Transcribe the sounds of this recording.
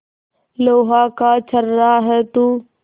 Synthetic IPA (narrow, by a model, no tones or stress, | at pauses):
loːɦaːkaːt͡ʃʰəɾːaːɦɛːt̪uː